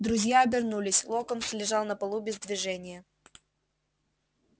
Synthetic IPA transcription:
d̪ɾʊzʲjaɐbʲɪrnulʲɪsʲlˠokəmslʲɪʐɑlˠnəpɐlˠubʲɪzd̪vʲɪʐɛnʲɪjə

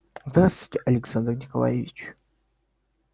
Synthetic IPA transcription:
zd̪rast̪v̥ɪ̥tʲɪʔɐlʲɪksand̪rnʲɪkɐ̰lˠa̰jevʲɪt͡ɕ

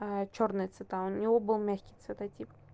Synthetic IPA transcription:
ət͡ɕornɨjət̪svʲɪt̪aʊnʲɪvobɨlˠmʲæxʲkʲɪjt̪svʲɪt̪ɐtʲip

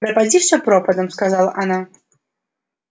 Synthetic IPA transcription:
ɾɐpad͡zʲiʂsʲɐpɾɔpɐd̪ɐmskazalˠɐ̰ʔana

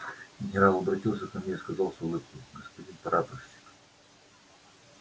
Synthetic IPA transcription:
ɡʲɪnʲɪɾalˠɐbɾɐtʲilˠsʲəkɐmnʲeskɐzalˠsvolˠotʲiɡəspɐdʲinpɐɾʔat̪əfsʲi̥k

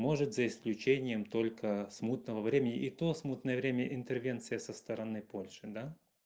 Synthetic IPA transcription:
mo̞ʐɨt̪zəɪsklʲʉt͡ɕenʲɪjəmt̪o̞lʲkʰəsmut̪nəvəvɾʲemʲɪnʲɪʔɪt̪osmut̪nəjəvɾʲemʲɪəʔɪnt̪ərvʲe̞nt̪sɨjəsəst̪əɾɐnɨpo̞lʲʂɨd̪a

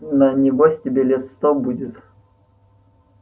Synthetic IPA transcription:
nɐnʲɪvɔsʲtʲɪbʲelʲɛt̪st̪ɔbudʲɪt̪

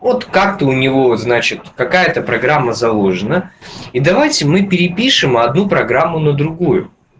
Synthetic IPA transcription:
vot̪kak̚t̪əʊnʲɪvo̞znat͡ɕɪt̪kɐkajət̪əpɾɐɡɾamːəzɐlˠoʐɨnəid̪ɐvajtʲɪmɨpʲɪɾʲɪpʲiʂɨmɐd̪nupɾɐɡɾamːʊnəd̪ɾʊɡujʊ̰

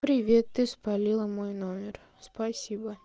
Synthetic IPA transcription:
pɾʲɪvʲet̪ːɨspɐlʲilˠəmojnomʲɪr | spasʲibə

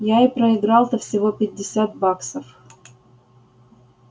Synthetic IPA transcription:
jaɪpɾəɪɡɾɑlˠt̪əfsʲɪvopʲɪdʲːɪsʲat̪̚baksəf

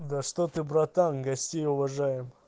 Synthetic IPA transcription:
d̪ɐʂt̪ot̪ɨbɾɐt̪amɡɐsʲtʲejʊvɐʐajɪm

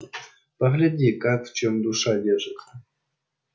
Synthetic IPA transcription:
paɣlʲadʲikakft͡ɕomd̪uʂadʲeʐɘtʲ

